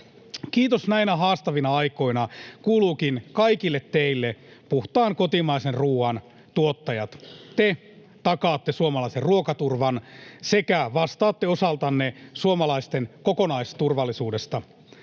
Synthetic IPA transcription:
kiːt̪osnæinæɦɑːst̪ɑʋinɑɑjko̞inɑkuːluːkinkɑikilːet̪teilːepuht̪ɑːŋko̞t̪imɑisenruːɑn | t̪uot̪ːɑjɑt̪t̪e | t̪ɑkɑːt̪ːesuomɑlɑiserruokɑt̪urʋɑnsekæʋɑst̪ɑːt̪ːeosɑlt̪ɑnːesuomɑlɑist̪enkokonɑist̪urʋɑlːˑisuːdest̪ɑ

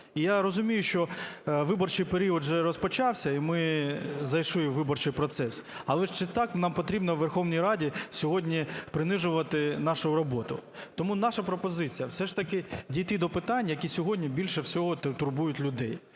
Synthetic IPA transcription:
ijaɾɔzʊmʲijʊʃt͡ʃɔʋɪbɔrt͡ʃɪjpeɾʲiɔd̪ʒɛɾɔspɔt͡ʃɑwsʲɐimɪzɐjʃʊjɪʋɪbɔrt͡ʃɪjpɾɔt̪sɛs | ɐlˠɛʃt͡ʃɪt̪ɑknɑmpɔt̪ɾʲibnɔʋːerxɔwnʲijɾɑdʲisʲɔɦɔdʲnʲipɾɪnɪʒʊʋɐt̪ɪnɑʃʊjɾɔbɔt̪ʊ̰t̪ɔmunɑʃɐpɾɔpɔzɪt͡sʲijɐwsɛʂt̪ɐkɪdʲijt̪ɪd̪ɔpɪt̪ɑnʲːɐjɐkʲisʲɔɦɔdʲnʲibʲilʲʃɛwsʲɔɦɔt̪t̪ʊrbujʊtʲlʲʊd̪ɛj

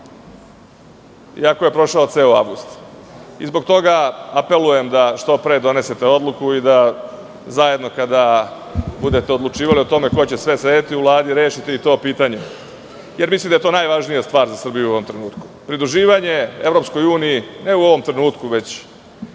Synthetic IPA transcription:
ḭako̞je̞pɾo̞ʃaot̪seoa̰ʋɡust̪ḭzbo̞ɡt̪o̞ɡaape̞luje̞md̪aʃt̪o̞pɾe̞ːd̪o̞ne̞set̪eo̞d̪lˠukuid̪a | zaje̞d̪no̞kad̪a | bud̪e̞t̪eo̞d̪lˠut͡ʃiːʋalio̞t̪o̞me̞ko̞t͡ɕesʋe̞set̪iuʋlˠaːd̪iɾe̞ːʃit̪iit̪o̞ːpiːt̪aɲe | je̞ɾmislimd̪aet̪o̞ːnajʋaʒnijast̪ʋaːɾzasr̩bijuo̞ʋo̞mt̪ɾe̞nuːt̪ku̥pɾid̪ɾuʒiːʋaɲe̞e̞vɾo̞psko̞juːnijine̞uoʋo̞mt̪ɾe̞nuːt̪kuʋe̞t͡ɕ

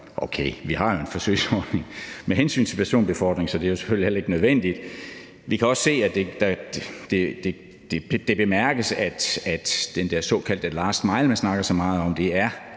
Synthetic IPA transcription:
ʔokʰeːʋihɑ̈jo̝e̝nfɒ̽sø̰ɪsɒd̥ne̝ŋmeɦensy̰ːnt͡sʰe̝pʰæɐso̝̰ːnb̥e̝fɒ̰ːd̥ʁeŋsɒ̽d̥e̝æɐjo̝se̥føljlihelɐe̝ɡ̥ənøð̞ˠʋen̰d̥id̥ | ʋikʰæɒ̽sse̝̰ːæd̥e̝d̥ɑ̥d̥ed̥e̝ | d̥e̥d̥e̝b̥e̝mæɐɡ̥əsæd̥æd̥d̥end̥æɐ̰sɒ̰̽ːkʰæl̰d̥əlɑ̈ːsd̥mɑ̈ɪlmænsnɑ̈ɡ̥ɐsɒ̽mɑ̈ːð̞̩ˠɒ̽md̥e̝æɐ

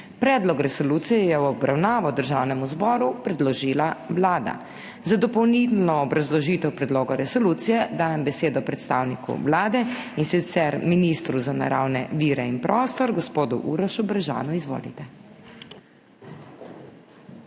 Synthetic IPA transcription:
pɾɛːd̪lɔkɾɛsɔluːt̪sijɛjɛwɔbɾawnaːʋɔd̪əɾʒawnɛmuzbɔːɾupɾɛd̪lɔʒiːlawlaːd̪a̰ | zad̪ɔpɔwnilnɔːbɾazlɔʒiːt̪ɛwpɾɛd̪loːɡɔɾɛsɔlut̪sijɛd̪aːjɛmbɛseːd̪ɔpɾɛt̪st̪aːwnikṵʋlaːd̪ɛinsit̪sɛɾminist̪ɾuzana̰ɾa̰wnɛʋiːɾɛinpɾʔɔːst̪ɔɾɡɔspoːd̪ṵʔuɾɔʃubɾaʒa̰ːnɔizʋo̰ːlḭt̪ɛ

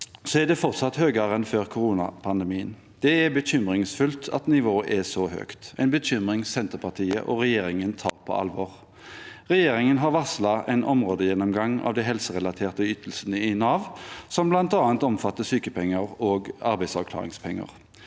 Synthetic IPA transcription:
sɔɛʁd̪ɛfɔʁt̪sɑt̪høːɡəʁɛnføːʁkʰʊɾuːnɑpʰɑnd̪ɛmiːən | d̪̥ɛɛbəçʏmʁɪŋsfʉlt̪ʰɑ̰t̪nɪʋoːəʔɛsɔhø̰ːkt̪æɪnbəɕʏmʁɪŋsɛnt̪əʁpʰɑt̪ʰiːə̰ʔɔʁɛjeːɾɪŋənt̪ʰɑ̰ːʁpʰɔ̰ɑ̰lʋɔːʁ | ʁɛjeːɾɪŋənɦɑʁʋɑslɑʔɛ̰ɪnʔɔmʁoːd̪əjɛnːɔmɡɑŋɑ̰ʋd̪æɛɪɦɛlsəʁɛlɑt̪ʰeːʁt̪əyt̪əl̩sənəɪnɑːʋsɔmblɑnt̪ɑːɑnt̪ɔmfɑt̪ːəsyːkəpʰɛŋːəʁoːɡɑɾbæɪsɑʋkʰlɑ̰ːʁɪ̰ŋspʰɛŋːə̰ʁ

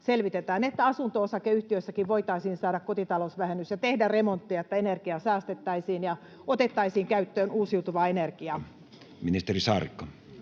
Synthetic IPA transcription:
selʋit̪et̪æːnet̪ːæɑsunt̪oosɑkeyht̪iøsːækiʋʋoit̪ɑisiːnsɑːɾɑkkot̪it̪ɑlosʋæhenːysjɑt̪ehdæremont̪ːiɑet̪ːæenerkiɑsæːst̪et̪ːæisiːnjɑ | ot̪et̪ːɑisiːŋkæyt̪ːøːnuːsiut̪uʋɑːenerkiɑ | minist̪erisɑːrḭkːɑ

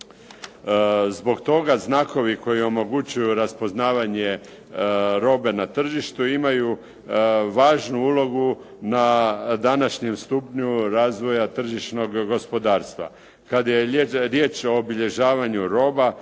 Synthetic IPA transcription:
zbo̞ɡt̪o̞ɡaznaːko̞ʋiko̞jio̞mo̞ɡut͡ɕujuɾaspo̞znaːʋaɲe̞ | ɾo̞ːbe̞nat̪r̩ʒiʃt̪uimaju | ʋaːʒnuulo̞ɡu | nad̪anaʃɲe̞mst̪upɲuɾaːzʋo̞jat̪r̩ʒiʃno̞ɡːo̞spo̞d̪aːɾst̪ʋa̰ | kad̪ajeɾjeːt͡ʃo̞obiʎe̞ʒaːʋaɲuɾo̞ːba

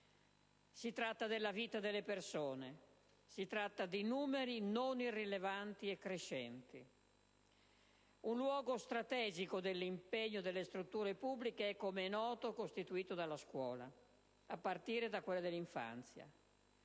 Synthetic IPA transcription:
sit̪ɾat̪ːad̪elːaviːt̪ad̪elːepersoːne | sit̪ɾat̪ːad̪inuːmeɾinonirːilevant̪iɛkːɾeʃɛnt̪i | unlwɔːɡost̪ɾat̪ɛːd͡ʒikod̪elːimpeɲːod̪elːest̪ɾut̪ːuːɾepubːlikeɛkːomenɔːt̪okost̪it̪uiːt̪od̪alːaskwɔ̰ːla̰ | apːart̪iːɾed̪akːwelːad̪elːiɱfa̰nt̪sja̰

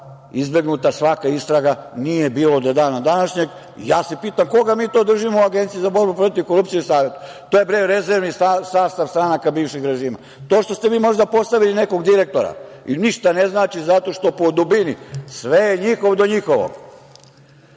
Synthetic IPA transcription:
izbe̞ɡnut̪asʋakaist̪ɾaɡanije̞biːlod̪od̪aːnad̪anaʃɲe̞ɡ | jaːsepiːt̪amko̞ɡamiːt̪od̪r̩ʒimouaɡent̪sijizabo̞ɾbupɾo̞t̪iʋko̞ɾup̚t̪ijeisaːʋje̞t̪u̥ | t̪oje̞bɾejɾezeɾʋnisasaːst̪aʋst̪ɾanakabiːʋʃixɾeʒiːma̰ | t̪o̞ːʃt̪o̞st̪eʋiːmo̞ʒd̪apo̞st̪aʋiline̞ko̞ɡd̪iɾe̞k̚t̪o̞ɾa̰iniʃt̪ane̞znaːt͡ʃizat̪o̞ʃt̪o̞po̞d̪ubinisʋejeɲixoʋd̪o̞ɲixo̞ʋo̰ɡ

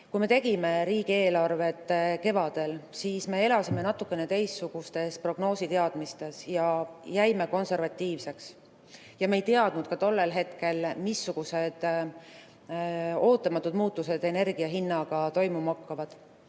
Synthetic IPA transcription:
kujme̞t̪e̞ɡime̞ɾiːɡie̞ːlɑrve̞t̪ːˑke̞vɑd̪̥e̞lsiːsme̞e̞lɑsime̞nɑt̪ːˑukːˑe̞net̪e̞jsːuɡ̥ust̪e̞spro̞ɡ̥no̞ːsit̪e̞ɑd̪̥mist̪e̞sjɑjæjme̞ko̞nse̞rvɑt̪ʲːiːvse̞ks | jɑmejt̪e̞ɑd̪̥nud̪̥̚kɑt̪o̞lːe̞lɦe̞t̪ke̞lmisːuɡ̥use̞d̪̥ | o̞ːt̪ːˑɑmɑt̪ːˑud̪muːt̪ːˑuse̞d̪e̞ne̞rɡ̥iɑɦinːɑɡ̥ɑt̪o̞jmumɑkːɑvɑd̪̥

